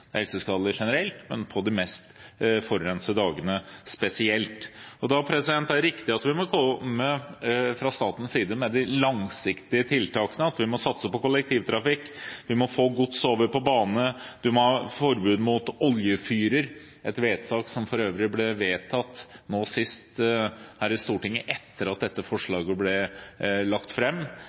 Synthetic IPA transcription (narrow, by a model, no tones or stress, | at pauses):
d̪hɛlsəskɑːd̪ləʂɛnəɾɛlt̪mɛ̰npʰɔd̪ɪmɛst̪fɔɾɾɛnsəd̪ɑːɡənəspɛsɪɛlt̪ɔd̪ɑpʰɾɛsɪd̪ɛnt̪æɾːɪkt̪ɪɑt̪ʋɪmɔkʰɔəfɾɑst̪ɑːt̪ən̩siːd̪əmɛd̪ɪlɑŋsɪkt̪ɪət̪ʰɪlt̪ɑːkənəɑt̪ʋɪmɔsɑt̪səpɔkʊlːɛk̚t̪ʰiːʋt̪ʰɾɑfɪkːʋɪmɔfoːɡʊt̪soːʋəɾpɔbɑːnnəd̪ʉmɔɑfɔɾbʉːd̪mʊt̪ɔljəfyːɾəɾ | ʔɛt̪ʋeːd̪sɑːksɔmfɔɾøːʋɾɪblɛʋeːt̪ʰɑt̪ːnoːsɪst̪hæːɾɪst̪uːʈɪŋːəʔɛt̪ːəɾɑt̪̚d̪ɛt̪ːəfɔʂɭɑːɡəblɛlɑkt̪fɾɛmː